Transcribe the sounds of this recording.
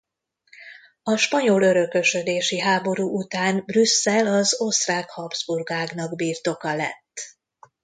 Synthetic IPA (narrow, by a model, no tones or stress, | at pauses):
ɒʃpɒɲolø̞ɾø̞køʃød̪eːʃiɦaːbo̞ɾuːʔut̪aːnbrysːɛlɒzo̞st̪raːkhɒbzburɡaːɡnɒɡbiːrt̪o̞kɒlɛ̰t̪ː